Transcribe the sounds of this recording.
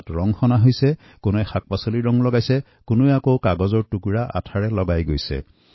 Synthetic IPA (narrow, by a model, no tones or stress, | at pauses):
tɹɔŋxɔnaɦojsɛ | kʊnɛxak̚pasoliɹɔŋlɔɡajsɛ | kʊnojakowkaɡɔzɔɹtukuɹaʔa̰tʰaɹɛlɔɡajɡojsɛ̰